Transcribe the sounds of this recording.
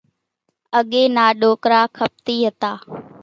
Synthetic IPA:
əɠeːnaːɗoːkɾaːkʰəp̚t̪iːɦət̪aː

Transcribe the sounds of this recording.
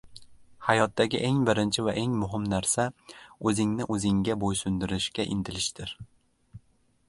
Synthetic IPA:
hajɒt̪ːaɡʲɪ̰ʔeŋbɪɾɪnt͡ʃʰɪvaʔeŋmʊɦɪmnaɾsaɵzɪŋnɪʔɵzɪŋɡʲabojsʊnd̪ɪɾɪʃkʲaʔɪ̰nd̪ɪlɪʃd̪ɪɾ

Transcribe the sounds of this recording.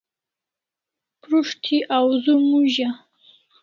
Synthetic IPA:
pʰɾuʂtʰiʔawzumuʒa

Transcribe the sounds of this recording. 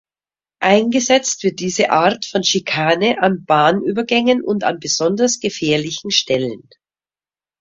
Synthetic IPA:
ʔaɪnɡəzɛt͡stv̥ɪɐt̚d̥iːzəʔaːɐtfɔnʃikʰaːnəʔanbaːnʔyːbɐɡɛŋənʊnta̰nbəz̥ɔndɐsɡ̥əfɛːɐlɪçn̩ʃtɛlən

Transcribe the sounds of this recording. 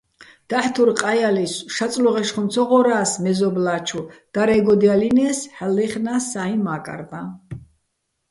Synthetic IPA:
d̪̥aħt̪ʰuɾqʼajalisʃat̪sʼlɔʁɛʃχɔmsʰɔʁɔɾaːsmɛzɔblaːt͡ʃʰud̪̥aɾɛɡɔd̪ialinɛsħɛlːiχnasːaimakʼa̰ɾd̪a

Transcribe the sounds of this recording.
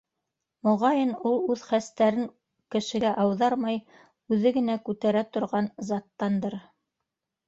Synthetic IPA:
mŏʁɑjɤnulˠʉðχæst̪æɾɘŋ | kɘ̆ʃɘ̆ɡæʔɑwðɑɾmɑj | ʉðɘɡɘ̆nækʉt̪æɾæt̪ŏɾʁɑnzɑt̪ːɑnd̪ɤɾ

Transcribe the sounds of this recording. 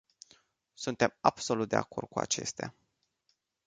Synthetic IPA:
sunt̪e̞mabso̞lut̪̚d̪e̞ako̞rd̪̚kua̰t͡ʃe̞st̪ea̰

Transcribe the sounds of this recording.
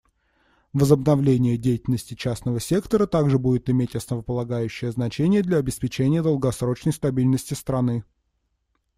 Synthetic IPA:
vəzəbnɐvlʲenʲɪjədʲejɪtʲɪlʲnəsʲtʲɪt͡ɕæsnəvəsʲe̞kt̪əɾət̪aɡʐɨbudʲɪt̪ɪmʲetʲɐsnəvəpəlˠɐɡajʉɕːɪjəznɐt͡ɕenʲɪjəd̪lʲɐːbʲɪspʲɪt͡ɕenʲɪjəd̪əlˠɡɐsɾo̞t͡ɕnəjst̪ɐbʲilʲnəsʲtʲɪst̪ɾɐnɨ

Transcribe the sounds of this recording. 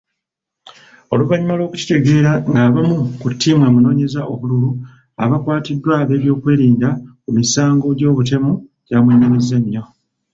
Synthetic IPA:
o̞luvaɲimalwo̞ːku̥ci̥te̞ɡe̞ːɾaŋɡaːβamukutʰːiːmweːmuno̞ːɲe̞zaʔo̞βululu | aβakwaːtidːwaβe̞ːβjo̞ːkwe̞ːɾiːndakumisaːŋɡo̞ɟo̞ːβute̞muɟ̥aːmweɲe̞ɾeze̞nːo̞

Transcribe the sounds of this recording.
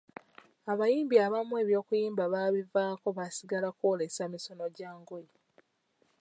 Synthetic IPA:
aβajiːmbiaβamwe̞ːβjo̞ːkujiːmbaβaβivaːko̞βasiɡalako̞ːle̞samiso̞no̞ɟaːŋɡo̞ji

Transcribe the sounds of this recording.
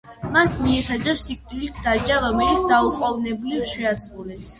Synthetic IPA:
masmiɛt̪ʰad̪zɛɾsikʼt̪ʼilikʰd̪ad͡ʒaɾɔmɛlit̪sd̪auχʼɔvnɛbulifʃɛasɾulɛs

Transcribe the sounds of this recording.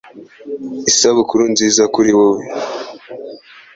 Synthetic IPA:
isaβukuɾunziːzakuɾiwowe

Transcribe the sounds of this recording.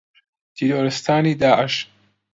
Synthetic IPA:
t̪ʰiɾoːɾɨst̪ʰaːniːd̪aːʕɪʃ

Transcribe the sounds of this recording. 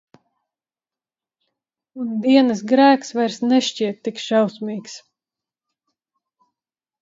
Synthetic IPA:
und̪iɛnɨs̬ɡɾæːksvajɾsnɛʃt͡ʃiɛt̪ːikʃawsmiːks

